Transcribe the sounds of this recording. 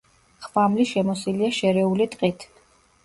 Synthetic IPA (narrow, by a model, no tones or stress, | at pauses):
χvamliʃɛmɔsiliaʃɛɾɛulit̪ʼqʼit̪ʰ